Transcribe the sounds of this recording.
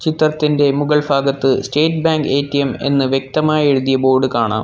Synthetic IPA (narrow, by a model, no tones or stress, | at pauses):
t͡ɕit̪rɐt̪ːinde̞muɡɐɭbʱaːɡɐt̪ːɨsʈe̞ːʈ̚bjaːŋɡe̞ːtːijeme̞̰nːɨʋjek̚t̪ɐmaːjɐeɻuðijɐbo̞ːrɖɨkaːɳa̰ːm